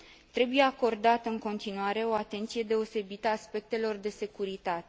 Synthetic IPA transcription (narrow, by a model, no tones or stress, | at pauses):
t̪ɾe̞buje̞ako̞rd̪at̪ɨŋko̞nt̪inuaɾe̞o̞at̪e̞nt̪sije̞d̪e̞o̞se̞bit̪əaːspe̞k̚t̪e̞lo̞rd̪e̞se̞kuɾit̪at̪e̞